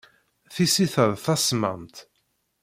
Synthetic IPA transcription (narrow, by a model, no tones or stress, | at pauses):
θisiθəðˤθæsmə̰mt̪